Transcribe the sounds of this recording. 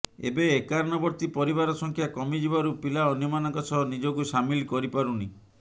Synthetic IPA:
ḛbeːkaɾnɔbɔɾt̪ipɔɾibaɾɔsɔŋkʰjakɔmid͡ʒibaɾupilaɔnjɔmanɔŋkɔt͡ʃʰɔɦnid͡ʒoɡusamilkɔɾipaɾuni

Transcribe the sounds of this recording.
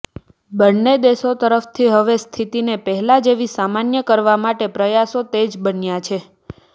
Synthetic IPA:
bəɽned̪esot̪əɾəft̪ʰiɦəʋest̪ʰit̪inepəɦɛlad͡ʒeʋisamanjəkəɾʋamaʈepɾəjasot̪ed͡ʒbənjat͡ʃʰe

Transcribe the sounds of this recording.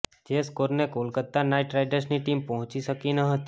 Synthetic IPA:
d͡ʒeskoɾnekolkəɾt̪anajʈɾajɖəɾsniʈimpəɦɔ̃t͡ʃiʃəkinəɦət̪i̥

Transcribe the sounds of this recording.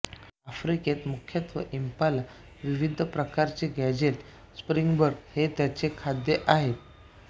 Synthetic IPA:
afɾiket̪mukʰjət̪ʋəʔimpala | ʋiʋid̪ʱəpɾəkaɾt͡seɡæd͡ʑeʈ | spɾiŋɡbəɾɡhet̪jat͡sekʰad̪jeʔaɦet̪̚

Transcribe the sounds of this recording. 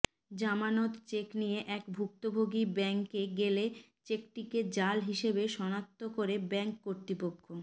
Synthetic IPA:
d͡ʑamanot̪t͡ɕeknijeʔɛkbʱuk̚t̪obʱoɡibɛŋkeɡele | t͡ɕekʈiked͡ʑalɦiʃebeʃɔnat̪ːokoɾebɛŋkːoɾt̪ɾipokʰːo

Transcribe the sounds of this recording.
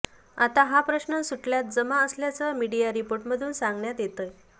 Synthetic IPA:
at̪aɦapɾəɕnəsuʈljat̪̚d͡zəmaəsljat͡səmiɽijaɾipoɾʈməd̪ʱuːnsãŋɡɳjat̪jet̪əj

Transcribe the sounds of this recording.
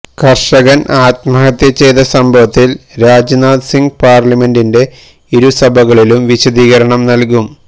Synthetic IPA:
kɐrʂɐɣɐnʔaːt̪mɐɦɐt̪ːjɐt͡ɕejd̪ɐsɐmbʱɐʋɐt̪ːilɾaːd͡ʑɐnaːd̪siŋɡpaːrlɐme̞ndinde̞ | iɾusɐbʱɐɣɐɭilumʋiɕɐd̪iːɣɐɾɐɳɐmnɐlkum

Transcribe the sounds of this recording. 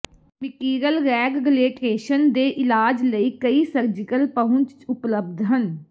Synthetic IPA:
mɪkiːɡəlɡɛːɡɡəleːʈeːʃənd̪eːʔɪlaːd͡ʒləiːkəiːsəɾd͡ʒɪkəlpəɦʊ̃ɲt͡ʃt͡ʃʊpləb̚d̪ɦən

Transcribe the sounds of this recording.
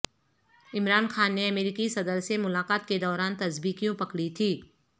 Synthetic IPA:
ɪmɾaːnxaːnːeɐmeːɾikisɐd̪əɾsemʊlaːqaːt̪ked̪ɔːɾaːnt̪ɐsbiːkijõpɐkɽit̪ʰiː

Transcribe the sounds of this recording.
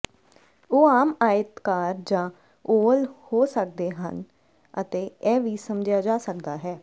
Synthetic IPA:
oːaːmaːɪt̪kaːɾd͡ʒãː | oːlhoːsək̚d̪eːɦə̰n | ət̪eːɛːʋiːsəmd͡ʒjaːd͡ʒaːsək̚d̪aːɦɛː

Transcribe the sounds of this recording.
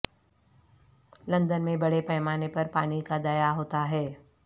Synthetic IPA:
lɐ̃nd̪ənmẽbɐɽepɛːmaːnepɐɾpaːnikad̪ɐjaɦoːt̪aɦɛː

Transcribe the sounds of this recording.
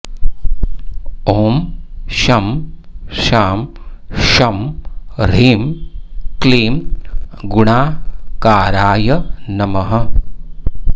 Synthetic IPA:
oːmʃɐm | ʃaːm | ʃɐmɾiːmkleːmɡʊɳaːkaːɾaːjɐnɐmɐɦɐ

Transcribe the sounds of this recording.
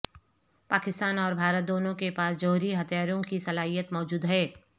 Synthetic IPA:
paːkɪst̪aːnɔːɾbʱaːɾət̪̚d̪oːnõkepaːsd͡ʒoːɦɾiɦɐt̪jaːɾõkisɐlaːɦijət̪mɔːd͡ʒuːd̪ɦɛː

